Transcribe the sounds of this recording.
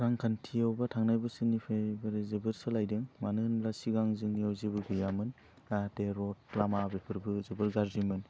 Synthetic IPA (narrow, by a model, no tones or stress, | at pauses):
ɾaŋkʰantʰijawbatʰaŋnajbɯsɯnipʰajbaɾezɯbɯɾsɯlajdɯŋmanɯnlasiɡaŋzɯŋjawzibɯɡɯjamɯn | ateɾɔt̚lamabepʰɯɾbɯzɯbɯɾɡaɾzimɯn